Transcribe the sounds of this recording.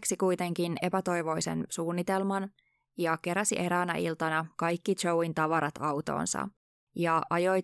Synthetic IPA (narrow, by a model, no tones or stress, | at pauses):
ksikujt̪e̞ŋk̟ine̞pæt̪o̞jʋo̞jsḛnsuːnːit̪e̞lmɑn | jɑke̞ɾæsḭʔeɾæːnæ̰ʔilt̪ɑnɑkɑjkːit̪t͡ʃowint̪ɑʋɑɾɑt̪ɑwt̪o̰ːnsɑ̰ | jɑʔɑjo̞j